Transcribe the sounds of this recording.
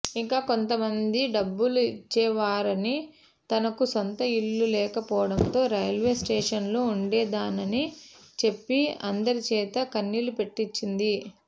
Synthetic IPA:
iŋkaːko̞nt̪ɐmɐnd̪iɖɐbːuluit͡ʃːɛːʋaːɾɐni | t̪ɐnɐkuso̞nt̪ɐilːulɛːkɐpɔːʋɐɽɐnt̪o̞ːɾɐjɐlʋe̞ːsʈeːʂɐnluuɳɖɛːd̪aːnɐnit͡ʃe̞pːiɐ̰nd̪ɐɾit͡ʃɛːt̪ɐkɐnːilupe̞ʈːit͡ʃːind̪i

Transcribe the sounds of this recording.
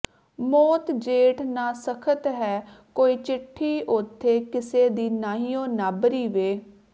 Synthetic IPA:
mɔːt̪d͡ʒeːʈnaːsəkʰət̪ɦɛː | koːiːt͡ʃɪʈʰːiːʔʊt̪ʰːeːkɪseːd̪iːnaːɦiːõːnaːbɾiːʋeː

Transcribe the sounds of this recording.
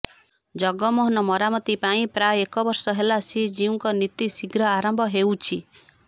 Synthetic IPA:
d͡ʒɔɡɔmɔɦɔnɔmɔɾamɔt̪ipaĩpɾajekɔbɔɾsɔɦelasid͡ʒiũŋkɔnit̪isiɡɾɔaɾɔmbʱɔɦewt͡ʃʰi

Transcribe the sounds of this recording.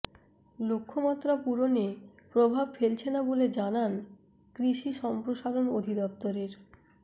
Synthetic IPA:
lokʰːomat̪ːɾapuɾone | pɾobʱabfelt͡ɕʰenaboled͡ʑanan | kɾiʃiʃɔmpɾoʃaɾonod̪ʱid̪ɔp̚t̪oɾeɾ

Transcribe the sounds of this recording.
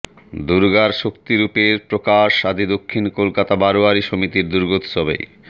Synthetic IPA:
d̪uɾɡaɾʃokt̪iɾupeɾpɾokaʃːad̪ʱid̪okʰːinkolkat̪abaɾoaɾiʃomit̪iɾd̪uɾɡot̪ʃɔbḛj

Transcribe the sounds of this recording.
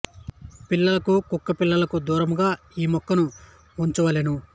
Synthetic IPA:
pilːɐlɐkukukːɐpilːɐlɐkud̪uːɾɐmɡaː | iːmɔkːɐnu | uɲt͡ʃuʋɐleːnu

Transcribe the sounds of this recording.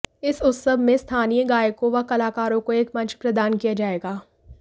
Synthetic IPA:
ɪsʊt̪səbʱmẽst̪ʰaːnijəɡaːjəkõʋɐkɐlaːkaːɾõkoeːkmɐ̃t͡ʃpɾɐd̪aːnkijad͡ʒaːeːɡaː

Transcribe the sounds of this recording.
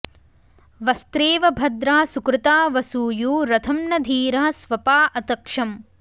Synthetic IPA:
ʋɐst̪ɾeːʋɐbʱɐd̪ɾaːsukɾɪt̪aːʋɐsuːjuːɾɐt̪ʰɐmnɐd̪ʱiːɾɐɦɐsʋɐpaːʔɐt̪ɐkʂɐm

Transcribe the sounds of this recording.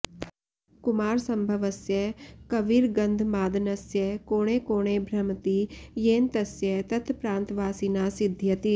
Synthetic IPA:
kʊmaːɾsɐ̃mbʱɐʋɐsjɐkɐʋiːɾɡɐnd̪ʱmaːd̪nɐsjɐkoːɽ̃eːkoːɽ̃eːbʱɾɐmt̪ijeːnt̪ɐsjɐt̪ɐt̪ʰpɾãːnt̪ʋaːsinaːsɪd̪ʱjɐt̪i

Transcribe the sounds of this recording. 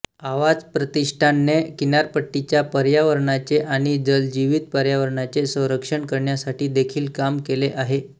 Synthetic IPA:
aʋad͡zpɾət̪iʂʈʰanːekinaɾpəʈːit͡ɕjapəɾjaʋəɾɳat͡seʔaɽ̃id͡zəld͡ʑiʋiːt̪̚pəɾjaʋəɾɳat͡sesə̃w̃ɾəkʂəɳkəɾɳjasaʈʰiːd̪ekʰiːlkamkeleʔaɦe

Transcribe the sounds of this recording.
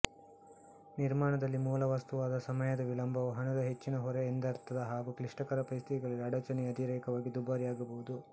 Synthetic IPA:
niɾmaːɳɐd̪ɐlːimuːlɐʋɐst̪uʋaːd̪ɐsɐmɐjɐd̪ɐʋilɐmbʱɐʋɐɦɐnud̪ɐɦet͡ʃːinɐɦɔɾeːnd̪ɐɾt̪ʰːɐd̪ɐɦaːɡukliʂʈɐkɐɾɐpɐjst̪ʰit̪iɡɐɭɐliɐɽɐt͡ʃɐnijɐd̪iɾɐjɐkɐʋaːɡid̪ubaːɾijaːɡɐbɐʋud̪u

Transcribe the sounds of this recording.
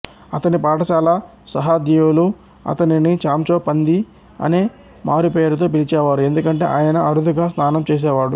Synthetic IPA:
ɐt̪ɐnipaːʈɐt͡ʃaːlɐ | sɐɦad̪jiulu | ɐ̰t̪ɐninit͡ʃaːmt͡ʃoːpɐnd̪i | ɐ̰neː | maːɾipeːɾut̪o̞ːp̬ilit͡ʃɛːʋaːɾue̞nd̪ukɐɳʈe̞ːʔaːjɐnɐʔɐɾud̪uɡaːsnaːnɐmt͡ʃeːs̬ɛːʋaːɽu

